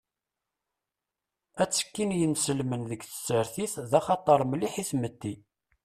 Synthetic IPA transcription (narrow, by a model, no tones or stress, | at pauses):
æt͡sːə̥kːinjənsəlmənðəɡθə̥sːəɾθiθðæχɑt̪ˤəɾˤmliħiθmət̪ːi